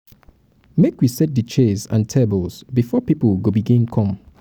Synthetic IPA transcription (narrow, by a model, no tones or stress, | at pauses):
mekwisɛt̚dət͡ʃʰezã̰ntʰɛbəlˠzbifɔpipəlɡobiɡĩŋkʰɔ̃m